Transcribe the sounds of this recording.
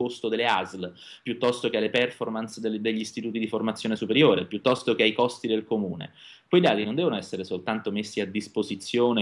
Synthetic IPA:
ost̪od̪elːeazl | pjut̪ːɔst̪okealːepɛrformansd̪d̪eʎːist̪it̪uːt̪id̪iformat̪sːjoːnesupeɾjoːɾepjut̪ːɔst̪ok̟eajkɔst̪id̪elkomuːnḛ | kwejd̪a̰ːt̪inond̪ɛvonoɛsːeɾesolt̪ant̪omesːiad̪ːispozit̪sːjoːne

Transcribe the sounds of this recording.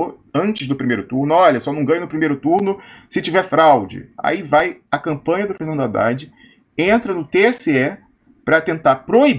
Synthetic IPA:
ɐ̃nt͡ʃɪzd̪ʊpɾimejɾʊt̪uɾnʊɔʎɐsɔnɐ̃w̃ɡɐ̃jɲʊnʊpɾimejɾʊt̪uɾnʊsɪt͡ʃivɛɾfɾawd͡ʒɪ̰a̰ivajɐkɐ̃mpɐ̃ɲɐd̪ʊfeɾnɐ̃nd̪ʊad̪a̰d͡ʒɪ | ẽnt̪ɾɐnʊt̪eɛsɪɛ | pɾɐt̪ẽnt̪aɾpɾoib

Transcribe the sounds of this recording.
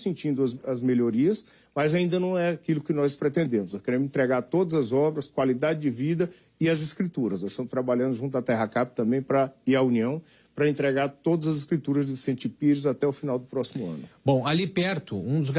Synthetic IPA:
sĩnt͡ʃĩnd̪ʊɐzɐzmeʎoɾiɐs | mɐzaĩnd̪ɐnɐ̃w̃ɛakilʊkɪnɔspɾet̪ẽnd̪ẽmʊznɔskeɾẽmẽt̪ɾeɡaɾt̪od̪ɐzɐzɔbɾɐskwalid̪ad͡ʒɪd͡ʒɪvid̪ɐ | ɪɐzɪskɾit̪uɾɐsnɔzst̪ɐ̃mʊst̪ɾabalʎɐ̃nd̪ʊʒũnt̪ʊɐt̪ɛɦɐkapɪ̥t̪ɐ̃mbẽj̃pɾɐiɾɐuniɐ̃w̃ | pɾɐẽnt̪ɾeɡaɾt̪od̪ɐzɐzɪskɾit̪uɾɐzd͡ʒɪsẽt͡ʃɪpiɾɪzat̪ɛʊfinawd̪ʊpɾɔsimʊɐ̰̃nʊbõw̃alipɛɾt̪ʊũd̪ʊzɡ

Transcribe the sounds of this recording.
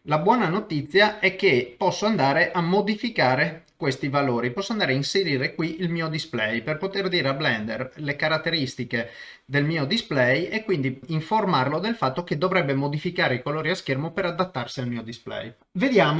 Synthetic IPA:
labwɔːnanot̪it̪sːjaɛkːepɔsːoand̪aːɾeʔamːod̪ifikaːɾekwest̪ivaloːɾipɔsːoand̪aːɾeainseɾiːɾekwiilmiːod̪isplɛjperpot̪erd̪iːɾeablɛnd̪ḛrlekaɾat̪ːeɾist̪ike | d̪elmiːod̪isplɛjekwind̪iiɱformarlod̪elfat̪ːoked̪ːovɾɛbːemod̪ifikaːɾeikoloːɾiaskermopeɾad̪at̪ːarsialmiːod̪isplɛ̰j | ved̪jaːmo

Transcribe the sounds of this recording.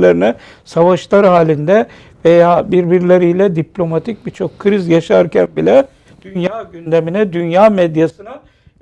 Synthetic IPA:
lʲeɾinɛ | savaʃlˠaɾhaːlʲind̪ɛ | vejaːbiɾbiɾlʲeɾijlʲɛd̪iplʲo̞mat̪ʰic̚bit͡ʃʰo̞kʰːɯɾizjaʃaɾcʰænbilʲɛ | d̪̥ynjaːɟynd̪e̞minɛd̪ynjaːmɛd̪jasɯna

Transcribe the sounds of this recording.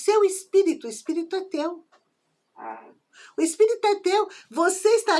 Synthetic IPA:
sewespiɾit̪ʊɪspiɾit̪ʊɛt̪ew | ʊespiɾit̪ʊɛt̪ewvoseɪst̪a

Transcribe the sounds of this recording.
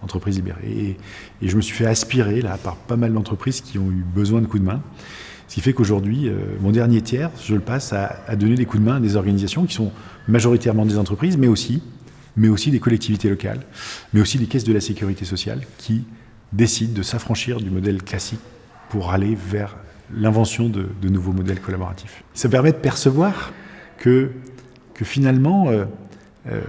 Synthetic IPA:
ɑ̃t̪χəpχizlibḛʁḛeː | ʒəməsɥifɛaspiʁelapaʁpamald̪ɑ̃t̪χəpχizkʲʰiɔ̃ybəzwɛ̃d̪əkud̪əmɛ̃ | sə̥kʲifɛkoʒuʁd̪ɥiø̰mɔ̃d̪ɛʁnjet̪ʰjɛʁʒələpasaːd̪ɔned̪ekud̪əmɛ̃ad̪ezɔʁɡanizasjɔ̃kʲi̥sɔ̃ | maʒɔʁit̪ɛʁmɑ̃d̪ezɑ̃t̪χəpχizmɛosi | mɛosid̪ekɔlɛk̚t̪ivit̪elɔka̰lmɛosid̪ekʲɛsd̪əlasekʲyʁit̪esɔsja̰lkʲʰi | d̪esid̪ːəsafχɑ̃ʃiʁd̪ymɔd̪ɛlklasik̚ | puʁalevɛʁ | lɛ̃vɑ̃sjɔ̃d̪əd̪ənuvomɔd̪ɛlkʰɔlabɔʁa̰t̪ʰifsapɛʁmɛd̪əpɛʁsəvwaʁkʰə | kəfinalmɑ̃ø | ø̰

